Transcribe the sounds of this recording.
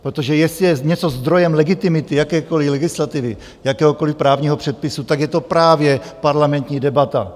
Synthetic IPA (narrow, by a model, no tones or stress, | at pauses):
pɾot̪oʒɛjɛsɪjɛɲɛt͡sozd̪ɾo̞jɛmlɛɡɪt̪ɪmɪt̪ɪjakɛːko̞lɪlɛɡɪslat̪ɪvɪ | jakɛːɦoko̞lɪfpɾaːvɲiːɦopr̝̥ɛt̪̚pɪsut̪aɡjɛt̪o̞pɾaːvjɛpaɾlamɛnt̪ɲiːdɛbat̪a̰